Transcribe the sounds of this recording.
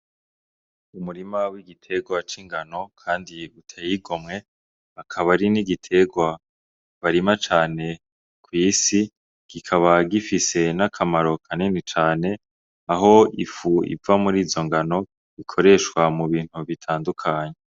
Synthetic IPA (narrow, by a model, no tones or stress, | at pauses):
umuɾimawiɡitʰe̞ɡwat͡ʃiŋɡano̞kʰaːndiutʰajiɡo̞mŋe̞ | akʰaβaɾiniɡitʰe̞ɡwa | βaɾimat͡ʃaːne̞ | kʰwiːsi | ɡ̥ikʰaβaɡifise̞nakʰamaɾo̞kʰaninit͡ʃaːne̞ | aɦo̞ḭfuḭvamuɾiːzo̞ŋɡano̞ | ikʰo̞ɾe̞ʃwamuβiːn̥huβitʰaːndukʰaːɲe